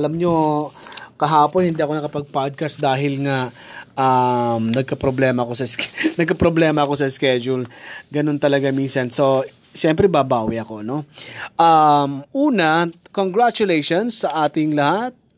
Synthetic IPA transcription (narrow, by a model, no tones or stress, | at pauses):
ɐlɐmɲo̞ | kɐɦaːponhɪnd̪iːɐko̞nɐkɐpɐɡ̚pad̪̚kɐsd̪aːɦɪlŋɐʔɐmnɐɡ̚kɐpɾoblɛːmɐko̞sɐsknɐɡ̚kɐpɾoblɛːmɐɐko̞sɐskɛd͡ʒulɡɐno̞nt̪ɐlɐɡaminsɐnso̞ | ʃɛmpɾɛbabaːwiʔɐko̞no̞ʔɐmʔuːnɐkoŋɡɾat͡ʃʊlɛjʃonsːɐʔaːt̪ɪŋlɐhat̪̚